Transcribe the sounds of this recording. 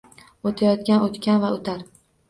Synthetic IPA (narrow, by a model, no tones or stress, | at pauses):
ot̪ʰajɒt̪̚kʲanot̪kʲanvaot̪ʰaɾ